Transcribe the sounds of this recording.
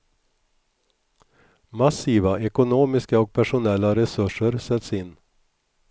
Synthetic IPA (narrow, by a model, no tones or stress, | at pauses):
masiːvaʔɛkʊnoːmɪskaɔk̚pʰæʂʊnɛlːaɾɛsɵʂəɾsɛt̪sɪnː